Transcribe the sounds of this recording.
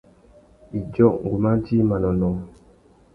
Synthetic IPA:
i˨d͡ʒɔ˦˨ʔŋ̩˨ɡu˨ma˦d͡ʒi˦ma˨nɔ˨nɔ˨

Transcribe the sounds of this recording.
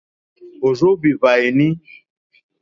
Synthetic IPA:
o˨zo˦bi˨va˨e˨nĩ˦

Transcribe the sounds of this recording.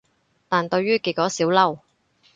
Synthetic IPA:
t̪aː˨nt̪ɵ˧ɥyː˥kiː˨˩kɔː˨˥siː˨˥wlɐ˥˧w

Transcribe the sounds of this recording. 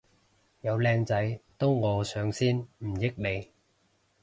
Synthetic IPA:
jɐ˨˧wlɛː˧ŋt͡sɐ˨˥jt̪ʊ˥wŋɔː˨˧sœː˨˧ŋsiː˥nm̩˨˩jɪ˥k̚le˨˧j

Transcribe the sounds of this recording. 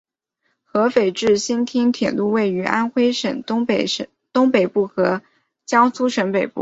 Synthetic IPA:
xɤ˧˥fe˨˩ɪʈ͡ʂɻ̩˥˩ɕi˥nt̪ʰi˥ŋt̪ʰjɛ˨˩nlu˥˧we˥˩ɪy˧˥ʔa̰˥nxwe˥ɪʂə̰˨˩n˥˧˩ | t̪ʊ˥ŋpe˨˩ɪpu˥˩xɤ˧˥ | t͡ɕjɑ˥ŋt͡sʰu˥ʂə˧˥npe˨˩ɪpṵ˥˩

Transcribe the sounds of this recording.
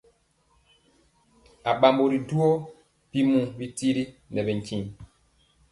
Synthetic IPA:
a˨ɓa˨mbo˨ɾi˨du˦o˦ | pi˦mũ˦bi˦ti˦ɾi˦nɛ˨bɛ˨ŋ˨kĩ˦˨

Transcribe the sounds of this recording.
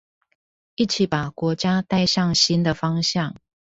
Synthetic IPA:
i˥˩t͡ɕʰi˨˩˦pa˨˩kwɔ˧˥t͡ɕja˥t̪a˥˧ɪʂɑ˥˩ŋɕi˥nd̪ə˨fɑ˥ŋɕjɑ˥˨ŋ

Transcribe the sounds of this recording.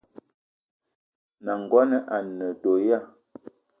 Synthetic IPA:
na˨ŋ˨ɡwa˦nə˦ʔa˨nə˨to˨ja˦˨

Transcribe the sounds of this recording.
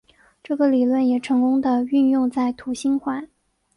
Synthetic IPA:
ʈ͡ʂɤ˥˩ɡə˩li˨˩lwə˥˩njɛ˨˩ʈ͡ʂʰɤ˧˥ŋkʊ˥ŋd̪ə˨y˥˧njʊ˥˧ŋt͡sa˥˩ɪt̪ʰu˧˥ɕi˥nxwa˧˥˦n

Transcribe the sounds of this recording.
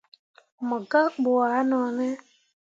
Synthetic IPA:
mɔ˨ɡa˦k͡pʊ˨a˨a˦nɔ˨nɛ˦

